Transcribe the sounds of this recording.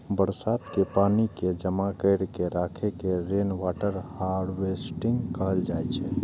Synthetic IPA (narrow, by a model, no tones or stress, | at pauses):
bəɾsat̪kepaniked͡ʒəmakəjɾkeɾakʰekeɾenwaʈəɾhaɽwesʈiŋɡkəɦəld͡ʒajt͡ʃʰɛ̰